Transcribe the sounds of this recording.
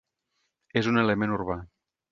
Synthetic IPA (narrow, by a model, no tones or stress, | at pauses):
ezunelemẽnuɾβa